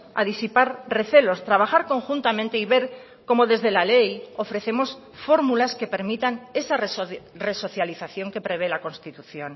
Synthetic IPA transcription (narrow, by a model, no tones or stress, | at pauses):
a̰ðisipaɾre̞θe̞lo̞st̪ɾaβ̞axaɾko̞ŋxunt̪amẽnt̪eiβe̞ɾ | ko̞moðe̞zðe̞lalejo̞fɾe̞θemo̞s | fo̞ɾmulaske̞pe̞ɾmit̪ane̞sareso̞θjaliθaθjo̞ŋke̞pɾe̞β̞e̞lako̞nst̪it̪uθjo̞n